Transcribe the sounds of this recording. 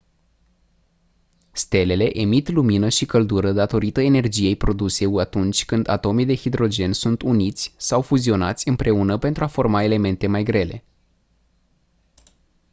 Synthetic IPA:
st̪e̞le̞le̞ʔemit̪luminəʃikəld̪uɾəd̪at̪o̞ɾit̪əe̞ne̞rd͡ʒije̞jpɾo̞d̪use̞uat̪unt͡ʃʲkɨnd̪a̰t̪o̞mijd̪e̞hid̪ɾo̞d͡ʒe̞nsunt̪unit̪sʲsawfuzio̞nat̪sʲɨmpɾe̞unəpe̞nt̪ɾuafo̞rmae̞le̞me̞nt̪e̞majɡɾe̞le̞̰

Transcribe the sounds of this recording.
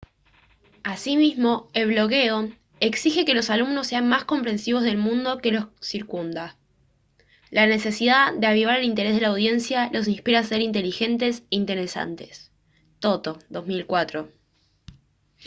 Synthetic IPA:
asimizmo̞e̞lβlo̞ɣe̞o | eksixe̞ke̞lo̞salumno̞sːe̞anmasko̞mpɾe̞nsiβo̞zðe̞lmũnd̪o̞ke̞lo̞ssiɾkund̪a | lane̞se̞siðaðeaβ̞iβaɾelint̪e̞ɾezðelawð̞je̞nsjalo̞s̬inspiɾaːse̞ɾint̪e̞lixe̞nt̪e̞seint̪e̞ɾe̞sa̰nt̪e̞̥s | t̪o̞t̪oðo̞zmilkwat̪ɾo̞

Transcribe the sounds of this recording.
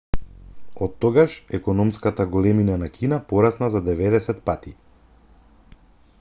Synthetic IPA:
ɔt̪ːɔɡaʃɛkɔnɔmskat̪aɡɔlɛminanakʰinapɔɾasnazad̪ɛvɛd̪ɛsɛt̪pat̪i

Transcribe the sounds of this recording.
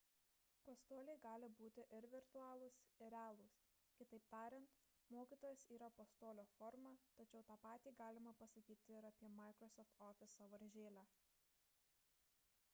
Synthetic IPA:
pɐst̪oːlʲɛɪɡɑːlʲɪbuːt̪ʲɪʔɪɾʋʲɪɾt̪ʊɑːlˠʊsɪɾʲæːlˠʊs | kʲɪt̪ɐɪpt̪ɑːɾʲɛnt̪ | moːkʲiːt̪oːjɛsiːɾɐpɐst̪oːlʲoːfɔɾmɑt̪ɐt͡ʃʲɛʊt̪ɑːpɑːt̪ʲiːɡɑːlʲɪmɐpɐsɐkʲiːt̪ʲɪɪɾɐpʲiɛmɐɪkɾɔsɔft̪ɔːfʲɪsɐʋɐɾʲʒʲeːlʲæː

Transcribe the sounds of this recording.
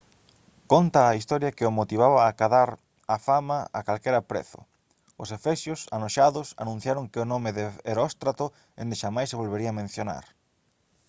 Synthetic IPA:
kont̪aːist̪ɔɾjɐkɪomot̪iβaβaːkaðaɾ | afamaa̰kalkeɾapɾḛθʊ̰ | ʊsefɛsjʊsanoʃaðʊsa̰nũn̟θjaɾʊŋkɪʊnɔmɪðɪeɾɔst̪ɾat̪ʊ | ḛ̃nd̪ɪʃamajsːeβ̞olβeɾiɐaːmẽn̟θjona̰ɾ

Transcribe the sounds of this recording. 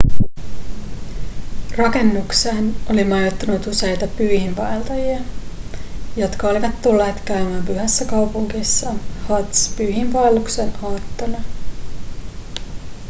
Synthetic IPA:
rɑke̞nːukseːno̞limɑjot̪ːɑnut̪use̞jt̪ɑpyːhimpɑjlt̪ɑjiɑ | jo̞t̪kɑoliʋɑt̪ːulːe̞ːt̪kæymæːmpyɦæsːækɑwpuŋkisːɑhɑt̪spyːɦimpɑjlːuksenʔɑːt̪ːɑnɑ

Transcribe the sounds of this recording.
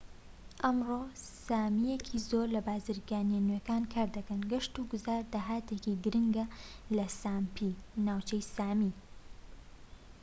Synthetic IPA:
ʔɐmroːsaːmijekʰizoːɾlɐbaːzɨɾɡaːnjenekaːnkʰaːɾd̪ɐkɐnɡɐʃt̪uɡʊzaːɾd̪aːɦaːt̪ekiɡɨɾɨŋɡɐlɐsaːmpʰinaːwt͡ʃɐjsaːmi

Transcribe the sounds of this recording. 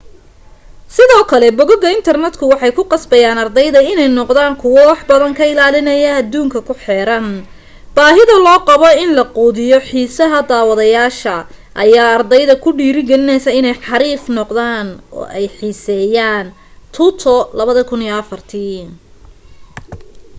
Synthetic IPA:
sɪðɔːkʰɐlɛbɔɣɔɣɐɪnt̪ʰɐrnɛd̪kʰʊwɑħɑjkʰʊqɑsbɐjaːnɐrd̪ɛjðɐɪnɛjnɔqðaːŋkʰʊwɔwɑħbɐðɐŋkʰɐɪlaːlɪnɐjɐɐd̪uːŋkʰɐkʰʊħɛːɾɐn | b̥aːɦɪðɐlɔːqɑβɔɪnlɐquːðɪjɔħiːsɐɦɐd̪aːwɐðɐjaːʃɐ | ʔɐjaːɐrd̪ɛjðɐkʰʊɖiːɾɪɡɐlɪnɛjsɐɪnɛjħɑɾiːfnɔqd̪aːnɔ̰ːʔɛjħiːsɛːjaːn | t̪ʰʊt̪ʰɔlɐβɐðɐkʰʊniːɐfɐrt̪ʰi

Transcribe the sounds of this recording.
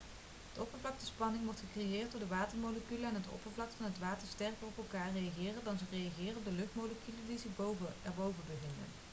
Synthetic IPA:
ədəɔpəɹvlɑk̚təspɑnɪŋʋɔɹtχəkrejɪːɹt̚dʊːɹdəʋaːtəɹmowləkyləɛnɦətɔ̰pəɹvlɑk̚tfɑnɦətʋaːtəɹstɛrkərɔpɛlˠkaːɹrejaχɪːrəndɑnzərejaχɪːrənɔb̚dəlɵχtmoləkylədizəbowvəɛɹbowvəbəɣɪndə̰n

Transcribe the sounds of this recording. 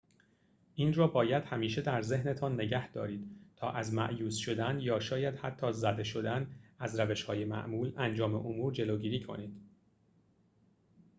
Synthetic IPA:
ʔinrɒːbɒːjæd̪hæmiːʃe̞d̪æɾzehnet̪ʰɒnːe̞ɟæhd̪ɒːɾiːd̪̥t̪ʰɒːʔæzmæ̰ʔjuːsʃo̞d̪ænjɒːʃɒːjæd̪̥hæt̪ʰːɒːzæd̪e̞ʃo̞d̪ænæzɾæve̞ʃhɒːje̞mæ̰ʔmuːlænd͡ʒɒːme̞̰ʔomuːɾd͡ʒe̞loːɟiːɾiːkʰo̞̰niːd̪̥

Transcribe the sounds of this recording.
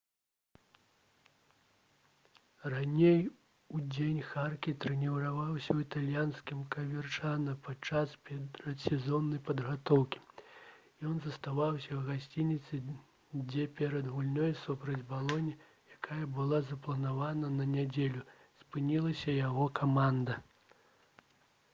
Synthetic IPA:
ranʲej | ud͡zʲenʲxarkʲit̪ɾɛnʲiwɾavawsʲɐwit̪alʲjanskʲimkɐvʲɛrt͡ʂanɐpat͡ʂaspʲɾɐt̪sʲɛzɔnːɐjpɐd̪ɣat̪ɔwkʲi̥ | jɔnzɐst̪avawsʲɐwɣasʲt͡sʲinʲit̪sɨ | d͡zʲɛpʲɛɾɐd̪ɣulʲnɔjsupɾɐd͡zʲbalˠɔnʲi | jakʰajɐbɨlˠazɐplˠɐnavanɐnɐnʲad͡zʲelʲu | spɨnʲilˠɐsʲɐjaɣɔkʰamand̪ɐ

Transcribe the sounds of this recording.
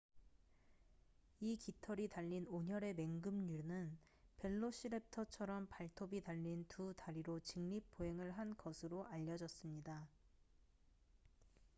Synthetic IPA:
ikitʰʌɾitaʎːinoɲʌɾe̞me̞ŋɡɯmɲunɯn | pe̞ɭːoɕʰiɾep̚tʰʌt͡ɕʰʌɾʌmpaɭtʰobitaʎːintutaɾiɾot͡ɕɯŋɲip̚p͈ʰːoɦe̞ŋɯɭɦankʌsʰɯɾoʔaʎːʌd͡ʑʌs͈ɯmɲida

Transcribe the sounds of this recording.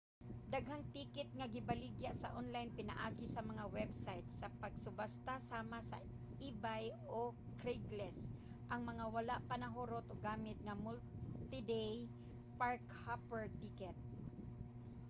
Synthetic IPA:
d̪aɡɦaŋt̪iːkɪt̪̚ŋaɡɪbalɪɡjaʔsɐʔonlajnpɪna̰ʔaːɡɪsɐmɐŋawɛbsajt̪sɐpɐɡsʊbast̪asaːmasɐ̰ | iːbaj | o | kɾiɡlɛs | ʔɐŋmɐŋawalaʔpanaɦoɾot̪oɡaːmɪt̪̚ŋɐmʊlt̪ɪd̪ɛj | paɹk | hapɛɹt̪ɪkɛt̪̚

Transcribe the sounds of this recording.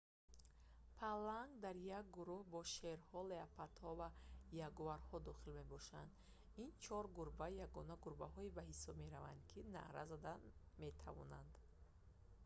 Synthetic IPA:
pʰalaŋɡd̪aɾjak̚ɡuɾuhbɔʃeɾhɔleapʰat̪hɔvajaɡuvaɾhɔd̪ɔχilme̞bɔʃand̪ | int͡ʃʰɔɾɡuɾbajaɡɔnaɡuɾbaɦɔibahisɔbmeɾavand̪kʰina̰ʔɾa̰zad̪a | me̞t̪ʰa̰vɔ̰nand̪

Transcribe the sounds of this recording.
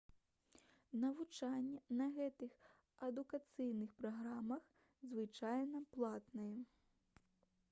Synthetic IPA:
nɐvut͡ʂanʲːɛnɐɣɛt̪ɨx | ɐd̪ukat̪sɨjnɨxpɾaɣɾamɐx | zvɨt͡ʂajnɐplˠat̪nɨjɛ

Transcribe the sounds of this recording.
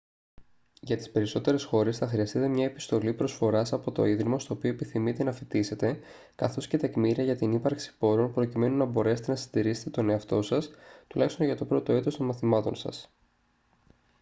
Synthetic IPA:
ʝɐt̪i̥spe̞ɾiso̞t̪e̞ɾe̞sxo̞ɾe̞sθɐxɾiɐst̪it̪e̞mɲɐe̞pi̥st̪o̞lipɾo̞sfo̞ɾɐsɐpo̞t̪o̞̰iðɾimost̪o̞ːpio̞epiθimit̪e̞nɐfit̪ise̞t̪e̞ | kɐθo̞sce̞t̪ekmiɾiɐʝɐt̪inipɐɾksi̥po̞ɾo̞npɾo̞cime̞nunɐbo̞ɾe̞set̪e̞nɐsid̪iɾiset̪et̪one̞ɐft̪o̞sɐst̪ulɐçist̪o̞nʝɐt̪o̞pɾo̞t̪o̞e̞t̪ost̪o̞nmɐθimɐt̪o̞nsɐ̰s

